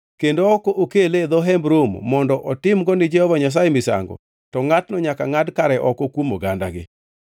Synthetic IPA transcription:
kendoɔkɔʔokeled̪ɔɦɛmbɾomːɔndɔʔɔtɪmɡɔnɪd͡ʒɛhɔvaɲas̬ajemɪsa̰ŋɡɔ̰ | tɔŋatnɔɲakaŋadkaɾɛʔɔkɔkwomoɡanda̰ɡɪ̰

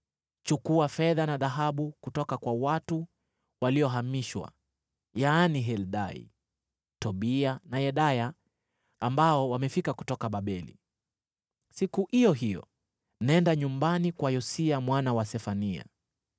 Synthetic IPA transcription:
t͡ʃukuafɛðanaðaɦaɓukutɔkakwawatu | waliɔɦamiʃwa̰ | jaːniɦɛlɗaḭ | tɔɓianajɛɗajaː | mbaɔwamɛfikaku̥tɔkaɓaɓɛlḭ | sikuhijɔɦijɔ̰ | nɛndaɲumbanikwajɔsiamwanawasɛfania̰

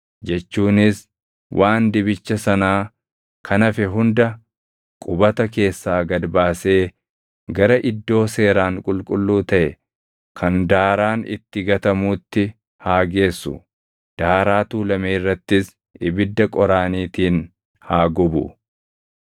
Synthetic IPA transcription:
d͡ʒɛt͡ʃːuːnɪs | wʔaːnd̪ɪbɪt͡ʃːɐsɐnaː | kʰɐnɐfɛɦʊnd̪ɐ | kʼʊbɐt̪ɐke̞ːsːaːɡɐd̪baːse̞ː | ɡɐɾɐʔɪd̪ːo̞ːse̞ːɾaːŋkʼʊlkʼʊlːuːt̪ɐʔɛ | kʰɐnd̪aːɾaːnɪ̰t̪ːɪɡɐt̪ɐmuːt̪ːɪ | haːɡe̞ːsːʊ̰ | d̪̥aːɾaːt̪uːlɐmeːrːɐt̪ːɪs | ʔɪbɪd̪ːɐkʼɔɾaːniːt̪iːn | haːɡɔbʊ̰

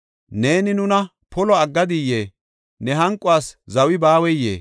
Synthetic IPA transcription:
ne̞ːnɪnʊnɐ | pɔlɔɐɡːɐd̪ɪjːeː | nɛɦɐŋkʼʊaːszɐwɪbaːwɛjːḛː

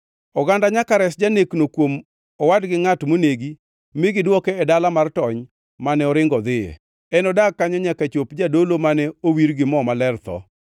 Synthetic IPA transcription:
ɔɡandaɲakaɾɛsd͡ʒaneknokwom | ɔwadɡɪŋatmoneɡi | mɪɡɪdwɔkɛːdalamartɔɲ | manɛɔɾɪŋɡɔd̪ɪjḛ | ɛnɔdak̚kːaɲɔɲakat͡ʃopd͡ʒadolomanɛowiɾɡɪmɔmalɛrt̪ɔ̰

